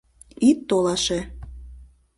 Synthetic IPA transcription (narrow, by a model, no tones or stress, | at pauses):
it̪ːolɑʃe